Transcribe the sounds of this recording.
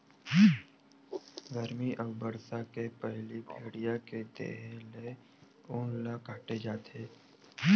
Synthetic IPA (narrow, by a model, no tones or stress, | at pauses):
ɡəɾmiʔəbbəɾsakepɛɦlibʰʱeːɽijaked̪ḛːɦle | ʊːnlakaːʈed͡ʒaːt̪eː